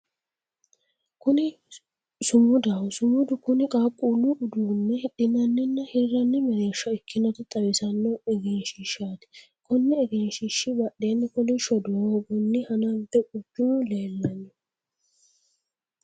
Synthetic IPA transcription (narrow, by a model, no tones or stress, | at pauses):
kʊnɪ | sʊmʊd̪ɐwsʊmʊd̪ʊkʊnɪkʼaːkʼːuːlːʊʔʊd̪uːnːɛhɪɗɪnɐnːɛnːɐhiɾːɐnːɛmɛɾeːʃːɐɪkʰːɪnɐt̪ɪt̪ʼɐwɪsɐnːɔɛɡɛnʃɪʃaːt̪ɪ̥ | kʊnːɛːɡɛnʃɪʃːɪbɐɗenːɪkʊnɪʃɔd̪ʊwoːɡʊnːɪhɐnɐbɛkʊpːɪnʊleːlːɐɲːʊ